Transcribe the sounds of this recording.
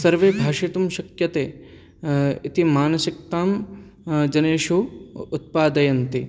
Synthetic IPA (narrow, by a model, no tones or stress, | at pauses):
sɐɾʋeːbʱaːʃit̪umʃɐkjɐt̪eː | it̪imaːnɐsik̚t̪aːm | d͡ʒɐneːʃuut̪̚paːd̪ɐjɐnt̪i